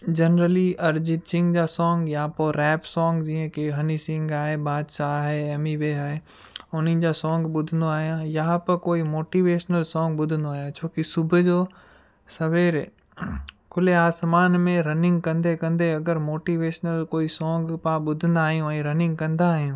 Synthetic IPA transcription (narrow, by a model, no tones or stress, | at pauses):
d͡ʑɐnɾəliɐɾd͡ʑɪt͡ɕɪ̃ŋɡd͡ʑaːsɔ̃ːŋɡjapoɾɛːpsɔ̃ːŋɡd͡ʑiːə̃keɦɐnisɪ̃ŋɡaːɦebaːd̪ʃaːɦeeːmiʋeːaːɦe | ʊnid͡ʑasɔ̃ːŋɡɓʊd̪ʱənd̪oaːɦijãjaɦãpɐkoːimoːʈiːʋeːʃnəlsɔ̃ːŋɡɓʊd̪ʱə̃nd̪oaːɦjãt͡ɕʰoːkisʊbʱʊd͡ʑoː | sɐʋeːɾ | kʰʊleaːsmaːnmẽɾɐnɪ̃ŋɡkɐ̃nd̪ekɐ̃nd̪eɐɡəɾmoːʈiːʋeːʃnəlkoːisɔ̃ːŋɡpãːɓʊd̪ʱə̃nd̪aːɦijũɛ̃ːɾɐnɪ̃ŋɡ̚kɐ̃nd̪aːɦijũː